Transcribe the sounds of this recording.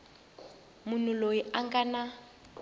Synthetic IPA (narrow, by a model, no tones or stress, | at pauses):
mun̤ulojiaŋkana